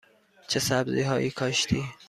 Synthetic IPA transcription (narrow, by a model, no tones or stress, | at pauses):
t͡ʃʰesæbzḭːɦɒːʔiːkʰɒːʃt̪ʰiː